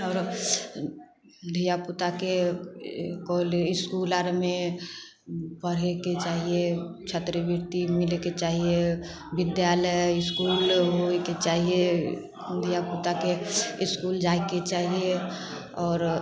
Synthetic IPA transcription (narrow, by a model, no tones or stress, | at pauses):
ɔːɾ | d̪ʱijaput̪ake | koliskulaɾme | pəɽ̤eket͡ʃaɦiet͡ʃʰət̪ɾəbiɾt̪imileket͡ʃaɦie | bɪd̪jaləjɪskulɦoeket͡ʃaːɦie | d̪ʱijaput̪akeiskuld͡ʒaeket͡ʃaːɦie | ɔːɾ